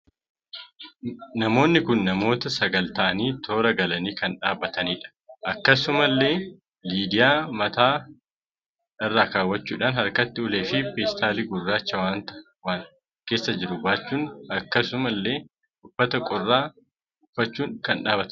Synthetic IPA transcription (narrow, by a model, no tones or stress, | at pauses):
nɐmo̞ːnːɪkʊnːɐmo̞ːt̪ɐsɐɡɐlt̪ɐʔɐniːt̪ʰo̞ːɾɐɡɐlɐniːkɐnᶑaːbːɐt̪ɐniːᶑɐ̥ʔɐkːɐsʊmɐlːe̞ː | liːd̪ɪjaːmɐt̪aː | ɪrːaːkaːwːɐt͡ʃːuːᶑaːnhɐɾkɐt̪ːɪʊle̞ːfɪpeːst̪aːliːɡʊrːaːt͡ʃːɐwaːnt̪ɐ | waː | ke̞ːsːɐd͡ʒɪɾʊbaːt͡ʃːuːnɐkːɐsʊmɐlːe̞ː | ʔʊfːɐt̪ɐkʼɔrːaː | ʊfːɐt͡ʃːuːŋkɐnᶑaːbɐt̪ɐ